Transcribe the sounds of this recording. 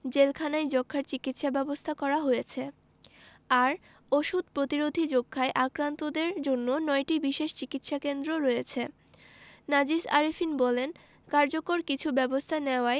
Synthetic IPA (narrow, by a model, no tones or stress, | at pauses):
d͡ʑelkʰanajd͡ʑɔkʰːaɾt͡ɕikit̪ʃabɛbost̪ʰakɔɾaɦojet͡ɕʰe | aɾ | oʃud̪̚pɾot̪iɾod̪ʱid͡ʑokʰːaeʔakɾant̪od̪eɾd͡ʑonːonɔjʈibiʃeʃt͡ɕikit̪ʃakend̪ɾoɾɔjet͡ɕʰe | nad͡ʑiʃa̰ɾifinbɔlen | kaɾd͡ʑokoɾkit͡ɕʰubɛbost̪ʰaneoae